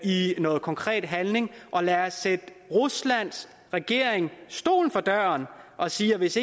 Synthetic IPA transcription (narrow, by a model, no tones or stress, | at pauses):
inɔ̽ːð̞̩ˠkʰɒ̽ŋkʰʁɛ̰ːd̥ɦænle̝ŋʔɒ̽læːɐsːed̥ | ʁuslæn̰s | ʁɛɡ̥e̝ɐ̰eŋsd̥o̝̰ːln̩fɒ̽d̥ɶɐnʔɒ̽siːɐʋe̝se